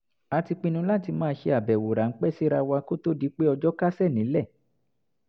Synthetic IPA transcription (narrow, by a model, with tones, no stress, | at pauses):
a˧ti˧k͡pĩ˧nũ˧la˦ti˧mãː˦˧ʃe˧a˨bɛ˨wo˨ɾa˨ŋ̩˦k͡pɛ˦˨si˦ɾa˧wa˧ko˦to˦di˦k͡pe˦ɔ˧d͡ʒɔ˦ka˦sɛ˦˨nĩ˨˦lɛ˦˨